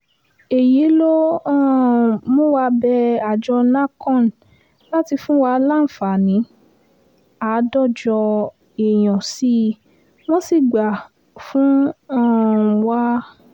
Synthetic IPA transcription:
e˨ji˨˦lo˦ɔ̃˦˨mõ˦wa˧bɛ˧a˨d͡ʒɔ˧lã˦kɔ̃˦˨n˨ | la˦ti˧fũ˦wa˧la˦˨n̩˨fa˨nĩ˨˦ | a˨˦dɔ˦˨d͡ʒɔ˧ | e˨j̃ɔ̃˨si˦ | mɔ̃˦si˦˨ɡ͡ba˨ | fũ˦ɔ̃˦˨wa˦

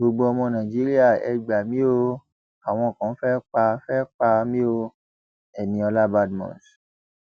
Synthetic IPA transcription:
ɡ͡bo˧˨ɡ͡bo˧ɔ˧mɔ̃˧nã˨d͡ʒi˦ɾi˦a˦˨ɛ̰˧ɡ͡ba˨mĩ˦o˧ | a˨w̃ɔ̃˧˨kã˨˦fɛ˦k͡pa˧fɛ˦k͡pa˧mĩ˦o˧ | ɛ˨nĩ˨˧ɔ˧la˦ba˦dmɔ̰̃˨s

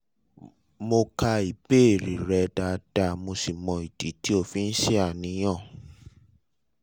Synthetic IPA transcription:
mo˧ka˧i˨be˦˨ɾi˨ɾɛ˧da˧d̥a˧˨mo˧si˨mɔ̃˨i˨di˨˦ti˦o˦˨fĩ˦n̩˦ʃi˦a˦˨nĩ˨˧˦j̃ɔ̃˦˨

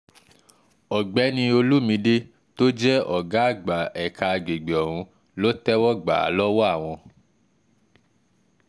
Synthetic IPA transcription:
ɔ˨ɡ͡bɛ˨˦nĩ˧o˧lu˦mĩ˧de˦ | to˦d͡ʒɛ˦ɔ˨ɡa˨˦˨ɡ͡ba˨ʔɛ˨ka˧ɡ͡be˨ɡ͡be˨ɔ˨ɾ̃ũ˨˧ | lo˦tɛ˦wɔ˦ɡ͡ba̰˨lɔ˦wɔ˦a˦˨w̃ɔ̃˧

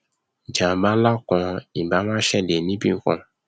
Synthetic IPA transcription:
d͡ʒã˨bã˨˦la˦kɔ̃˧i˨ba˨˦mã˦ʃɛ˦˨de˨nĩ˦bĩ˦kɔ̰̃˦˨

